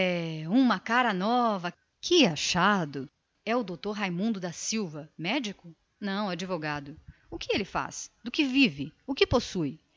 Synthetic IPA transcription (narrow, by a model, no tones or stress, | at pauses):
ɛũmɐkaɾɐnɔvɐ | kɪaʃad̪ʊ | ɛʊd̪owt̪oɾɦajmũnd̪ʊd̪ɐsiwvɐmɛd͡ʒikʊ | nɐ̃w̃ad͡ʒivoɡad̪ʊʊkɪelɪfa̰sd̪ʊkɪvivɪʊkɪposuj